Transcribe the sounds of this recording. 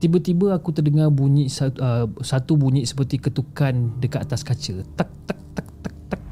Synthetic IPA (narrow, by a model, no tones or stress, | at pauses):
t̪ibət̪ibəakut̪ərdəŋarbuɲĩʔsaəsat̪ubuɲĩʔsə̥pərt̪ikət̪ukandəkat̪at̪askat͡ʃət̪ak̚t̪ak̚t̪ak̚t̪ak̪̚ak̚